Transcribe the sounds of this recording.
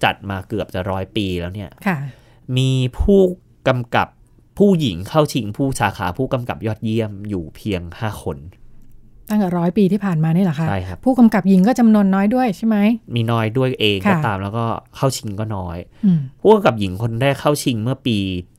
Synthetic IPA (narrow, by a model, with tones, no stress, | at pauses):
t͡ɕa̰˨˩t̪̚maː˧kɯ˨˩əp̚t͡ɕa˨˩ɾɔː˦˥jpiː˧lɛː˦˥wni˥˩ɐkʰa˥˩ | miː˧pʰuː˥˩ | ka˧mka̰˨˩p̚ʰː | uː˥˩ji˩˦ŋkʰa˥˩wt͡ɕʰi˧ŋpʰuː˥˩saː˩˦xʰa̰ː˩˦pʰuː˥˩ka˧mka˨˩p̚jɔː˥˩t̪̚ji˥˩əmjuː˨˩pʰi˧əŋhaː˥˩xʰo˧n | t̪a˥˩ŋt̪ɛː˨˩ɾɔː˦˥jpiː˧iː˥˩pʰaː˨˩nmaː˧ni˥˩la˨˩kʰat͡ɕʰa˥˩jkʰa˦˥ppʰuː˥˩ka˧mka˨˩p̚ji˨˩˦ŋk̬ɔː˥˩t͡ɕa˧mnu˧ənːɔː˦˥jdu˥˩əjt͡ɕʰa˥˩jma˦˥jmiː˧nɔː˦˥jdu˥˩əjʔeː˧ŋkʰɔː˥˩t̪aː˧mlɛː˦˥wkɔː˥˩kʰa˥˩wt͡ɕʰi˧ŋkɔː˥˩nɔː˦˥j | ɯː˧pʰuː˥˩ka˧mka˨˩p̚ji˩˦ŋkʰo˧nɾɛː˥˩kʰːa˥˩wt͡ɕʰi˧ŋmɯ˥˩ɐpiː˧